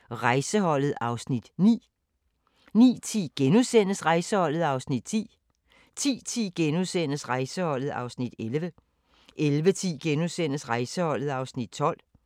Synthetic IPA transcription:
ʁɑ̈ɪsəɦɒ̽l̰ð̩ˠɑ̈ʊsnid̥nḭː | nḭːt͡sʰḭːɡ̥enuðˠsen̰əsʁɑ̈ɪsəhɒ̽l̰ð̞̩ˠɑ̈ʊsnid̥̚t͡sʰḭː | t͡sʰḭːt͡sʰḭːɡ̥enuðˠsen̰əsʁɑ̈ɪsəhɒ̽l̰ð̞̩ˠɑ̈ʊsnid̥elʋə | ʔelʋət͡sʰḭːɡ̥enusen̰əsʁɑ̈ɪsəhɒ̽l̰ð̩ˠɑ̈ʊsnid̥̚t͡sʰɒ̽l̰

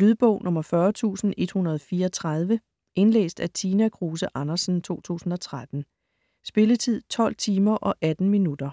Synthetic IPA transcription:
lyðˠb̥ɔ̽ʊ̰nʔɔ̽mɐfɶɐt͡sʰṵːsn̩e̝d̥hunɐð̞ˠɒ̽fiːɐɒt͡sʰʁað̞ˠʋə | ʔe̝nlḛːsd̥æt͡sʰiːnækʰʁuːsəʔɑnɐsn̩t͡sʰo̝̰ːt͡sʰṵːsn̩ɒ̽t͡sʰʁad̥n̩ | sb̥e̝lət͡sʰið̞̰ˠt͡sʰɒ̽l̰t͡sʰiːmɐʔɒ̽ʔæd̥n̩minud̥ɐ

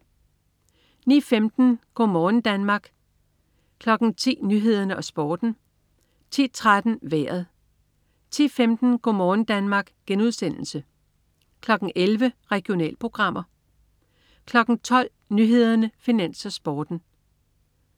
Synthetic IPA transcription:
nḭːfemd̥n̩ɡ̥ɔ̰ːmɒːn̩d̥ænmɑ̈ɡ̥ | kʰlɒ̽ɡ̥n̩t͡sʰḭːnyːɦe̝ð̞ˠɐnəʔɒ̽sb̥ɒːd̥n̩ | t͡sʰḭːt͡sʰʁad̥n̩ʋæːɐ̰ð̞̩ˠ | t͡sʰḭːfemd̥n̩ɡ̥ɔɒ̰mɒːn̩d̥ænmɑ̈ːɡ̥ɡ̥enuð̞ˠsen̰l̩sə | kʰlɒ̽ɡ̥n̩elʋəʁɛɡ̥io̝nɛ̰ːlpʰʁo̝ɡ̥ʁɑ̈m̰ɐ | kʰlɒ̽ɡ̥n̩t͡sʰɒ̽l̰ | nyɦe̝ð̞ˠɐnəfinæn̰sɒ̽sb̥ɒːd̥n̩

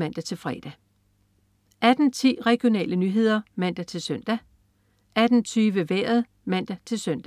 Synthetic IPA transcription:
mæn̰d̥æt͡sʰe̝lfʁɛd̥æ | ʔæd̥n̩t͡sʰḭːʁɛɡ̥jo̝nɛ̰ːlənyːɦe̝ð̞̰ˠɐmæn̰d̥æt͡sʰe̝lsœn̰d̥æ | æd̥n̩t͡sʰyːʋəʋeɐð̩ˠ | mæn̰d̥æt͡sʰe̝lsœn̰d̥æ

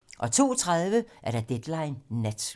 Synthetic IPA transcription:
ʔɒ̽t͡sʰo̝̰ːt͡sʰʁað̞ˠʋəʔæɐɾɑ̈d̥ed̥lɑ̈ɪnːæd̥

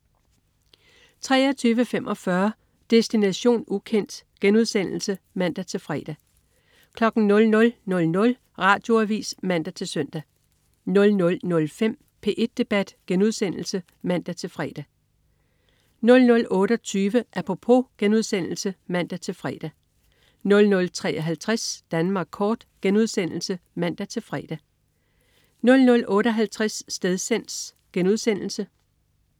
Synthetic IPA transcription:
t͡sʰʁɛ̰ːɐt͡sʰyːʋəfem̰ʔɒ̽fɶɐ | d̥esd̥inæɕo̝̰ːnukʰen̰d̥ɡ̥enuð̞ˠsen̰l̩sə | mæn̰d̥æt͡sʰe̝lfʁɛːd̥æ | kʰlɒ̽ɡ̥n̩nɔ̽lnɔ̽lnɔ̽lnɔ̽l | ʁɑ̈ːd̥jo̝æʋḭːsmæn̰d̥æt͡sʰe̝lsœn̰d̥æ | nɔ̽lnɔ̽lnɔ̽lfem̰ | pʰe̝ːʔe̝d̥̚ːe̝b̥æd̥ɡ̥enuð̞̰ˠsen̰l̩sə | mæn̰d̥æt͡sʰe̝lfʁɛ̰ːd̥æ | nɔ̽lnɔ̽lʔɔ̽ːɾ̥əɒt͡sʰyːʋəʔæpʰʁo̝pʰo̝̰ɡ̥enuðˠsen̰l̩səmæn̰d̥æt͡sʰe̝lfʁɛːd̥æ | nɔ̽lnɔ̽lt͡sʰʁɛ̰ːʔɒɦælt͡sʰʁasd̥ænmɑ̈ːɡ̥̚kʰɒːd̥ɡ̥enuðˠsen̰l̩səmæn̰d̥æt͡sʰe̝lfʁɛːd̥æ | nɔ̽lnɔ̽lʔɔ̽ːɾəɒ̽ɦælt͡sʰʁasːd̥eðˠsen̰̥s | ɡ̥enuð̞ˠsen̰l̩sə

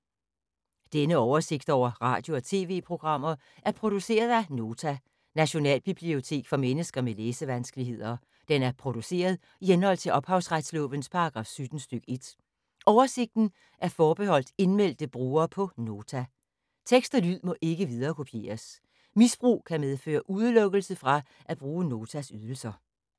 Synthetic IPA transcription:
d̥enəɒʊɐse̝ɡ̥̚d̥ɒʊ̰ɐʁɑ̈ːd̥jo̝ɒ̽t͡sʰe̝ːʋe̝̰ːpʰʁo̝ɡ̥ʁɑ̈m̰ɐ | ʔæɐpʰʁo̝d̥use̝̰ːɐð̞ˠæno̝ːt͡sʰæ | næɕo̝nɛ̰ːlb̥ib̥lio̝t͡sʰe̝̰ːɡ̥fɒ̽menəsɡ̥ɐmeleːsəʋænsɡ̥əliɦe̝ð̰ˠɐ | d̥enæɐpʰʁo̝d̥use̝̰ːɐðˠ | ihenhɒ̽l̰t͡sʰe̝lʔɒ̽b̥hɑ̈ʊsʁad̥slɔ̽ːʋənspʰɑ̈ɑɡ̥ʁɑ̈fsyd̥n̩sd̥yɡ̥e̝d̥ | ʔɒʊɐse̝ɡ̥̚d̥n̩ | ʔæɐfɒːb̥ehɒ̽l̰d̥e̝nmel̰d̥əb̥ʁuːɐːpʰɒ̽no̝ːt͡sʰæ | t͡sʰeɡ̥sd̥ɐlyð̰ˠmɒ̽ʔe̝ɡ̥əʋið̞ˠɐːkʰo̝pʰije̝̰ːɐs | misb̥ʁṵːkʰæmeð̞ˠfø̰ːɐʔuðˠəlɔ̽ɡ̥əl̩səfʁɑ̈ | ʔæb̥ʁuːəno̝ːt͡sʰæsyð̞ˠl̩sɐ

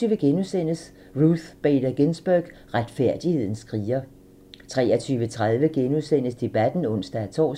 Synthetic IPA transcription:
yːʋəɡ̥enusen̰əs | ʁuθb̥eːd̥ɐɡ̥ensb̥œɡ̥ | ʁad̥fæɐ̰d̥ihe̝ð̞̰ˠn̩sɡʰʁiːɐ | t͡sʰʁɛ̰ːɐt͡sʰyːʋət͡sʰʁað̞ˠʋəɡ̥enusen̰əsd̥e̝b̥æd̥n̩ɔ̽n̰sd̥ææt͡sʰɒ̰ː

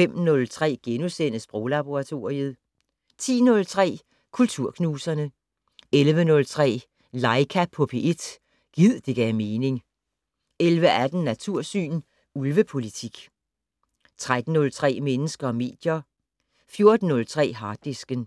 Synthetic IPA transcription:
fem̰nɔ̽lt͡sʰʁɛ̰ːɡ̥enusen̰əsb̥ʁɔlɑb̥o̝ʁɑt͡sʰo̝ːiəð̩ˠ | t͡sʰḭːnɔ̽lt͡sʰʁɛ̰ː | kʰult͡sʰuɐ̰kʰnuːsɐnə | elʋənɔ̽lt͡sʰʁɛ̰ː | lɑ̈ɪkʰæpʰːɔ̽pʰe̝ʔe̝d̥ | ɡ̥ið̞̰ˠd̥e̝ɡ̥æme̝ːne̝ŋ | elʋəʔæd̥n̩nːæt͡sʰuɐ̰sy̰ːn | ulʋəpʰo̝lit͡sʰiɡ̥ | t͡sʰʁad̥n̩ːɔ̽lt͡sʰʁɛ̰ːmenəsɡ̥ɐɒ̽me̝̰ːd̥jɐ | fjo̝ɐd̥n̩ːɔ̽lt͡sʰʁɛ̰ːɦɑ̈ːd̥ːesɡ̥ən

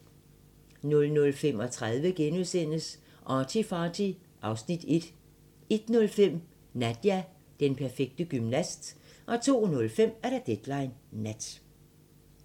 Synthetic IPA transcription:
nɔ̽lnɔ̽lfem̰ɒ̽t͡sʰʁaðˠʋəɡ̥enuðˠsen̰əs | ʔɑt͡sʰifɑːdʰi | ʔɑ̈ʊsnid̥e̝d̥ | e̝d̥nɔ̽lfem̰ | næd̥jæ | d̥enpʰæɐfeɡ̥̚d̥əɡ̥ymnæsd̥ʔɒ̽t͡sʰo̝̰ːnɔ̽lfem̰æɐɾ̥ɑd̥ed̥lɑ̈ɪnːæd̥

